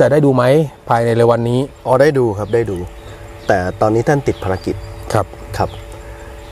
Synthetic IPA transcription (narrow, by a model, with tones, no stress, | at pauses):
t͡ɕa˨˩da˥˩jduː˧ma˦˥jpʰaː˧jna˧jlɯː˧wa˧nːiː˦˥ʔɔː˨˧˩daː˥˩jduː˧kʰa˦˥p̚daː˥˩jduː˧ | t̪ɛː˨˩t̪ɔː˧nːiː˦˥t̪ʰa˥˩nt̪i˨˩t̪̚pʰaː˧ɾa˧ki˨˩t̪̚kʰa˦˥p̚kʰɾa˦˥p̚